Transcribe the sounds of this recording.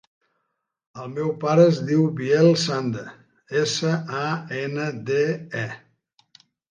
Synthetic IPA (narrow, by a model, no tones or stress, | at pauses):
əlˠmɛwpaɾəːzðiwbiɛlˠsand̪ə | esəaenəd̪eɛ